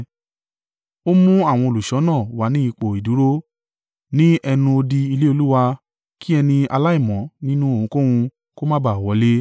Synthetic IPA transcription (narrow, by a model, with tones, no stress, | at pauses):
o˦mũ˦a˦˨w̃ɔ̃˧o˨lu˨ʃɔ˨˦nãː˦˨wa˨˦nĩ˦i˧k͡po˨i˨du˨˦ɾo˦ | nĩ˦ɛ˧nũ˧o˧di˧i˧le˦o˧lu˦wa˧ | ki˦ɛ˧nĩ˧a˧la˦i˦˨mɔ̃˨˦nĩ˦nũ˦o˦˨ũ˨˦kõ˦wũ˧ | ko˦mã˦ba˨wɔ˨˦le˦